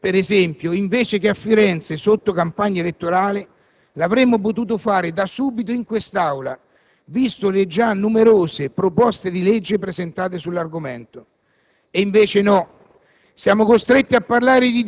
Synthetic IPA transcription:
peɾezɛmpjoiɱveːt͡ʃɪkɪafːiɾɛnt̪sesot̪ːokampaɲːaelet̪ːoɾaːlɪ | lavɾemːʊp̬ʊt̪̬uːt̪̬ʊfaːɾɪd̪asuːbit̪̬oiŋkwest̪awla | vist̪ʊlɪd͡ʒanːumeɾoːzɪpɾopɔst̪ed̪iled͡ʒːɪpɾezɪnt̪aːt̪̬ɪsulːarɡomɛnt̪ʊ | eiɱveːt͡ʃɪnɔ | sjaːmʊkost̪ɾet̪ːiapːarlaːɾɪd̪i

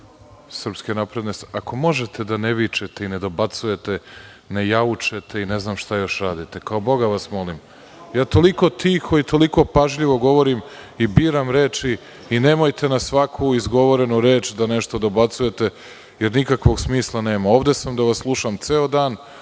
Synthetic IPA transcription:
sr̩pskenapɾe̞d̪nest̪ako̞mo̞ʒet̪ʰe̞d̪aneʋit͡ʃet̪e̞ine̞d̪o̞bat̪suje̞t̪e̞ | nejaut͡ʃe̞t̪ʰe̞ine̞znaːmʃt̪ajo̞ʃɾaːd̪it̪e̞kaobo̞ɡaʋasmo̞lim | jaːt̪o̞liko̞t̪ixo̞it̪o̞liko̞paʒʎiʋo̞ɡo̞ʋo̞ɾimibiːɾamɾeːt͡ʃiː | ne̞mojt̪e̞nasʋakʰuizɡo̞ʋo̞ɾe̞nuɾe̞ːt͡ʃd̪aneʃt̪o̞d̪o̞bat̪suje̞t̪e̞ | jeɾnikakʋo̞ɡsmiːslˠane̞ːmao̞ːʋd̪e̞samd̪aʋaslˠuʃamt̪seod̪aːn

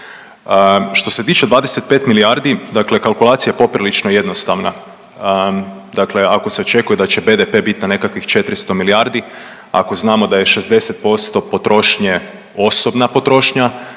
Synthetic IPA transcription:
ʃt̪o̞se̞t̪iːt͡ʃe̞d̪ʋaːd̪ese̞t̪̚pet̪milijaɾd̪id̪akle̞kalˠkulaːt̪sijajepo̞pɾilit͡ʃnoje̞d̪no̞st̪aʋna | d̪akle̞ako̞se̞o̞t͡ʃe̞kujed̪at͡ɕe̞be̞d̪epe̞bit̪inane̞kakʋixt͡ʃe̞t̪ɾist̪o̞miliaɾd̪i | a̰ko̞znaːmo̞d̪aje̞ʃe̞zd̪e̞se̞t̪̚po̞st̪o̞po̞t̪ɾo̞ʃɲe | o̞so̞bnapo̞t̪ɾo̞ʃɲa

